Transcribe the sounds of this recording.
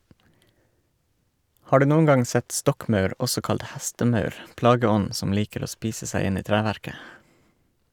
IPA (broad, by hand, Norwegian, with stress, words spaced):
ˈhɑː ˈɖʉː ˈnuːən ˈɡɑŋ ˈsɛt ˈstɔkˌmœʉɾ ˈɔsɔ ˈkɑlt ˈhæstəˌmœʉɾ ˈplɑːɡəˌɔn ˈsɔm ˈliːkəɾ ˈoː ˈspiːsə ˈsæɪ ˈɪn ˈiː ˈtɾæːʋæɾkə